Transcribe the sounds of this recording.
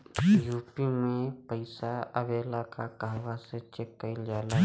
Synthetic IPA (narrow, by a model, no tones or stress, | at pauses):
juːpimẽpəɪsaəbeːlakakaːʋaset͡ʃekːəɪld͡ʒaːla